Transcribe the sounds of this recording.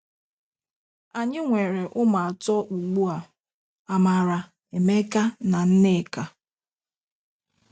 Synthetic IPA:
a˨ɲɪ˦ŋʷe˨ɾe˨ʔʊ˦ma˨a˨tɔ˦ʔu˨ɡ͡bu˦a˨ | a˨ma˨ɾa˨ | e˨me˦ka˦na˨n̩˦nɪ˦˨ka˨

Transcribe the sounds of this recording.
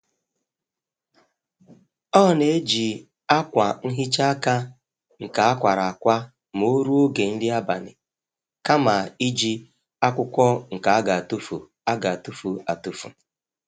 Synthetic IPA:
ɔ˦˨ne˨e˦d͡ʒi˨ | a˦kʷa˨ŋ̩˦ɦi˦t͡ʃa˦a˦ka˦ | ŋ̩˨ka˨a˦kʷa˨ɾa˨a˨kʷa˦ | mo˦ɾu˦o˦ɡe˨n̩˦dɪ˦a˦ba̰˨nɪ˨ | ka˦ma˨i˦d͡ʒi˦ | a˦kʷʊ˦kʷɔ˦ŋ̩˨ka˨a˦ɡa˨a˨tu˦fu˨ | a˦ɡa˨a˨tu˦fu˨a˨tu˦fṵ˨

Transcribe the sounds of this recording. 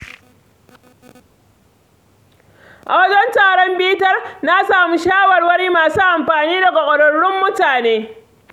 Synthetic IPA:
ʔa̰˨wɐ˦d͡ʒɛ˦ntaː˨ɽɔ˦mbiː˦tɐ˦rna˦saː˨mu˦ʃaː˦wɐ˨rwɐ˦niː˦maː˨suː˦ʔa˨mɸaː˨niː˦da˨kɐ˨kʷʼɔ˨ɽɔ˨ɽːɪ˦mːʊ˦taː˨neː˦

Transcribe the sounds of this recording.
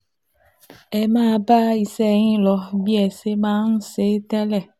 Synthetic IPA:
ɛ˨mã˦˨ba˦i˨sɛ˦ɲĩ˦lɔ˨bi˦ɛ˨se˦mã˦ŋũ˦se˦t̪ɛ˦lɛ˦˨

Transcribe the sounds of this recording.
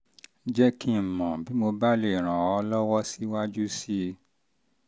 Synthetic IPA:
d͡ʒɛ˦kĩ˦m̩˨mɔ̃˨bi˨˦mo˧ba˦le˦˨ɾ̃ã˨ɔ˧lɔ˦wɔ˦si˦wa˦d͡ʒu˦si˦

